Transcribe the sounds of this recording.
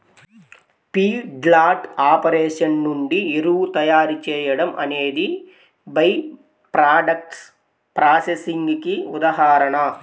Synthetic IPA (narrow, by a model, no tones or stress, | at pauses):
piːɖlaːʈaːpɐɾeːʂɐnnuɳɖieɾuːt̪ɐjaːɾut͡ʃɛːjɐɽɐmʔɐ̰neːd̪i | bɐj | pɾaːɖɐk̚ʈs | pɾaːsesiŋɡkiud̪ɐɦaːɾɐɳɐ